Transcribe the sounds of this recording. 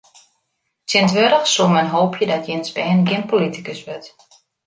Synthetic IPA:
sɪntʋøɾəxsumənɦoːpʰjədɔtjɪnsbɛːnɡɪənpolitikəsʋøt

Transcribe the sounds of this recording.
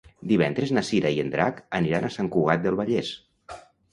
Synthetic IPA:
d̪iβɛnd̪ɾeznasiɾaiend̪ɾa̰kəniɾanasaŋkuɣat̪̚d̪əlˠβəʎes

